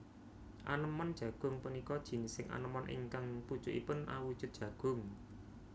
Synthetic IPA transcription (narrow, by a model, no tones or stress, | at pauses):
ʔa̰nəmɔnd̥ʒ̥ä̤ɡ̥ʊ̤ŋpənikɔd̥ʒ̥i̤nɪsɪŋʔa̰nəmɔnʔɪ̰ŋkaŋput͡ʃʊʔipʊnʔa̰wud̥ʒ̥ʊ̤t̪̚dʒ̥ä̤ɡ̥ʊ̤ŋ